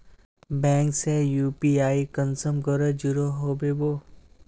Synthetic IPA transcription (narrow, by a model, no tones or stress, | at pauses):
bɛ̃ːŋksejuːpiaːikənsəmkəɾəd͡ʒʊɾoɦoːbeboː